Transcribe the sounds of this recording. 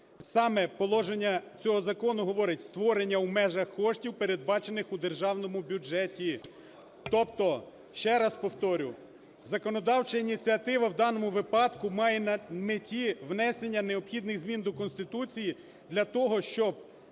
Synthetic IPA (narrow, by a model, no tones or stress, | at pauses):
sɑmɛpɔlˠɔʒenʲːɐt͡sʲɔɦɔzɐkɔnʊɦɔʋɔɾɪtʲst̪ʋɔɾenʲːɐwmɛʒɐxkɔʃtʲiwpe̞ɾe̞d̪̚bɑt͡ʃe̞nɪxud̪erʒɑwnɔmʊbʲud͡ʒɛtʲi | t̪ɔpt̪ɔ | ʃt͡ʃɛɾɐspɔwt̪ɔɾʲʊ | zɐkɔnɔd̪ɑwt͡ʃɐinʲit͡sʲiɐt̪ɪʋɐwd̪ɑnɔmʊʋɪpɑd̪kʊmɑjɛmetʲiʋnɛsenʲːɐne̞ɔbxʲid̪nɪɣzmʲind̪ɔkɔnst̪ɪt̪ut͡sʲiji | d̪lʲɐt̪ɔɦɔʃt͡ʃɔb̚